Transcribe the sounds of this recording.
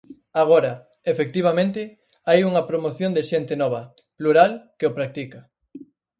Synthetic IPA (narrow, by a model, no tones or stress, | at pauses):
aɣ̞oɾɐ | efek̚t̪iβ̞amẽnt̪ɪ | ajuŋɐpɾomoθjõnd̪ɪʃent̪ɪnɔβ̞ɐ | pluɾalkeopɾak̚t̪ikɐ